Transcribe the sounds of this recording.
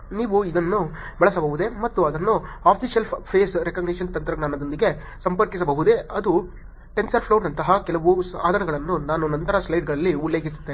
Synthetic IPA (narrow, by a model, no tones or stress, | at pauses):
niːʋuid̪ɐnːubɛɭɐsɐbɐɦud̪e̞mɐt̪ːuɐd̪ɐnːuaːpʰiʃjɐlpʰeːsɾekɐːɡniʃɐnt̪ɐnt̪ɾɐɡnaːnɐd̪o̞nd̪iɡe̞ | sɐmpɐɾkis̬ɐbɐɦud̪e̞ɐd̪u | ʈe̞nsɐɾpʰloːnɐnt̪ɐɦɐkɛlɐʋusa̰ːd̪ʱɐnɐɡɐɭɐnːunaːnunɐnt̪ɐɾɐslɐjɖɡɐɭɐlːiulːeːɡisu̥t̪ːe